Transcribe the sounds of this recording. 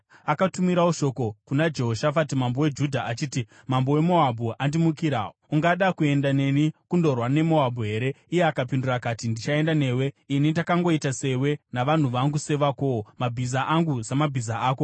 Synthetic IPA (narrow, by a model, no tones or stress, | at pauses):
akatumiɾaoʃo̞ko̞kunad͡ʒe̞ɦoʃafatimambo̞we̞d͡ʒudʱaʔat͡ʃiːti | mambo̞we̞mo̞abʱuʔandimukiɾa̰ | uŋɡaɗakue̞ndane̞nikundo̞rwane̞mo̞abʱuɦe̞ːɾe̞ | ije̞akapindurakatindit͡ʃae̞ndane̞ːwe̞ | inindakaŋɡo̞itase̞we̞naʋan̤uʋaŋɡuse̞ʋako̞mabʱizaʔaŋɡuzamabʱizaaːko̞